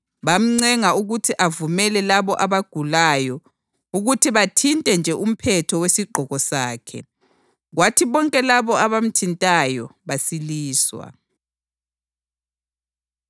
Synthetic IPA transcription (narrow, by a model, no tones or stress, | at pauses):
βam̩ŋ͡ǀɛŋauɣutʰiʔavumɛlɛlaβɔʔaβaɡ̥ʱulajɔ | uɣutʰiβatʰintʼɛnd͡ʒʱɛʔum̩pʰɛtʰɔwesiɡ͡ǃʱɔɣɔsaːkʰɛ̰ | ɣwatʰiβɔŋkʼɛlaβɔaβam̩tʰintʼajɔβasiliːswa̰